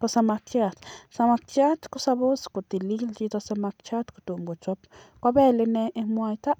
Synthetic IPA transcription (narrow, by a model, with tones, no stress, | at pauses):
po˧sa˧ma˧kt͡ʃja˧t̪sa˧ma˧kt͡ʃja˦t̪ku˧sa˧bo˦sku˨t̪i˧li˦ld͡ʒi˧t̪o˧sa˧ma˧kt͡ʃa˦t̪ku̥˧t̪u˨mɡo˨t͡ʃo˦p | kʷa˧˦be˦le˧ne˧e˧mwa˧jt̪a˦ʔ